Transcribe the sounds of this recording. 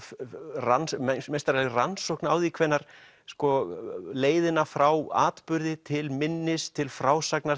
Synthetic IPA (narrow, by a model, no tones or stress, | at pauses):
ransmest̪aɾɛlransohknaːwðikʰvɛnːaɾ̥ | skɔleːjðɪnafɾawa̰ːt̪pʏɾðɪt̪ʰɪlmɪnːɪst̪ʰɪlfɾaːwsakna